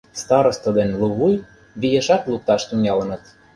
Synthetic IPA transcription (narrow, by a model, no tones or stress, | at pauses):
st̪ɑɾŏst̪ə̆d̪enluβuj | βijĕʃɑt̪luk̚t̪ɑʃt̪unʲɑlə̆nɤ̆t̪